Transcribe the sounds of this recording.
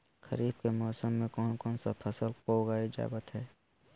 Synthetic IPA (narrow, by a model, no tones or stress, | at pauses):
xəɾiːbkemɔːsəmːẽkɔːnkɔːnsapʰəsəlkoːɡaːid͡ʒa̰ːbət̪ɦɛː